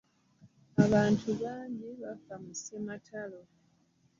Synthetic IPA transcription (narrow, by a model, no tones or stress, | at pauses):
aβaːntʰuβaːɲɟiβafamusematʰalo